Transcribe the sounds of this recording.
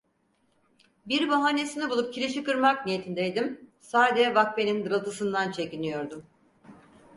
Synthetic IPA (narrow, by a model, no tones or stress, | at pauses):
biɾbaɦaːne̞sinibulˠup̚cʰiɾeʃikɯɾmak̚nije̞t̪ʰind̪ejd̪imsaːd̪ed͡ʒɛvakpe̞nind̪ɯɾat̪ʰɯsɯnd̪ant͡ʃʰe̞cinijo̞ɾd̪um